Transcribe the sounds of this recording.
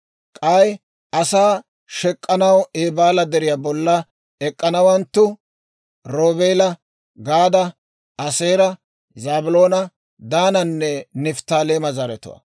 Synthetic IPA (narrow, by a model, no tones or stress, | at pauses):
kʼɐj | ɐsaː | ʃɛkʼːɐnɐweːbaːlɐd̪ɛɾɪjabɔlːɐ | ɛkʼːɐnɐwɐnt̪ːʊ | ɾoːbeːlɐ | ɡaːd̪ɐ | ɐseːɾɐ | zaːbʊlo̞ːnɐ | d̪aːnɐnːɛnɪft̪aːleːmɐzɐɾɛt̪ʊ̰wɐ̰